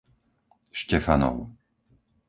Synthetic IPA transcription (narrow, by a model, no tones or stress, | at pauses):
ʃcɛfanɔ̰ʊ